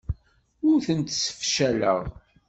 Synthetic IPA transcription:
ʊɾθənt̪sə̥fʃælə̰ʁ

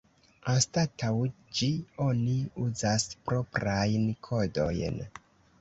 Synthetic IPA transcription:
astataw | d͡ʒio̞niuzaspɾo̞pɾajnkʰodo̞̰jn

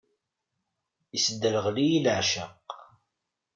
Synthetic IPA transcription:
isəd̪ːəɾəʁlijilʕʃəq

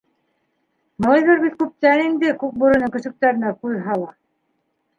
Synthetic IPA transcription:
mɤɑjβɤɾbit̪kʉp̚t̪ænind̪ɘkʉk̚buɾɤ̆nɤŋkɵ̆sɵ̆k̚t̪æɾɘ̆næquðɦɑlˠɑ

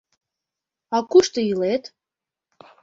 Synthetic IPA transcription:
ɑkuʃt̪ɤ̆jilet̪

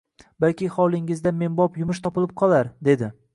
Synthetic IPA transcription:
balkʲɪχɒlˠɪŋɪzd̪ame̞nbɒpjʊmɪʃt̪ʰɒpɪlɪp̚qʰɒlˠaɾd̪e̞d̪ɪ

